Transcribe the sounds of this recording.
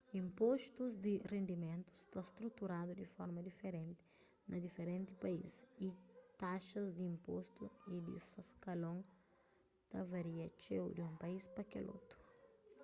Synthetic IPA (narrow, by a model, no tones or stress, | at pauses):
ĩmpost̪uzd̪ɪrẽnd̪imẽnt̪u̥st̪ast̪ɾut̪uɾad̪ud̪ɪfɔɾmɐd̪ifeɾẽnt̪ɪ̥ | nʔɐd̪ifeɾẽnt̪ɪpɐḭsit̪aʃɐzd̪iĩmpost̪uid̪ḭsɐskɐlõŋ | t̪ɐvɐɾiɐt͡ʃḛwd̪iũpɐispɐkɛ̰lʔo̰t̪ɾu̥